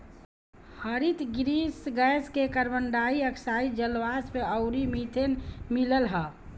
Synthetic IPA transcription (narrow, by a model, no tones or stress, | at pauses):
həɾit̪ɡɾisɡɛskekəɾbəɳɖaːiəkʰsaːid͡ʒəlʋaːspeəʊɾimit̪ʰenmiləlɦa